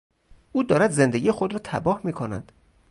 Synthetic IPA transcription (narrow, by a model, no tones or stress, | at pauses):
ʔuːd̪ɒːɾæd̪ze̞nd̪eɡiːjexod̪ɾɒːt̪ʰæ̰bɒːhmiːkʰonæ̰d̪̥